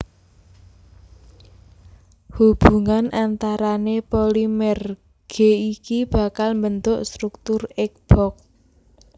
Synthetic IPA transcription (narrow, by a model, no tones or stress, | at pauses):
hub̥ṳŋanʔant̪aɾanepolimɛr | ɡ̥eikib̥a̤kalmbənt̪ʊʔst̪ɾuk̚t̪ʊrɛk̚b̥ɔk̚